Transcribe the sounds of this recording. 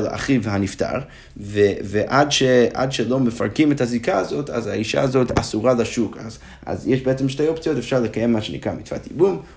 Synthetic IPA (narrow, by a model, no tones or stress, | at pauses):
la̰χivhanifta̰ʁ | veveʔadʃea̰dʃelo̞mefa̰ʁkimethazikaːzo̞tʰazaiʃa̰ːzo̞tʰa̰suʁalaʃuka̰z | a̰zjɛʃbeet͡semʃtejopt͡sijotefʃaʁlekajemːaʃenḭkʁamitfa̰tibum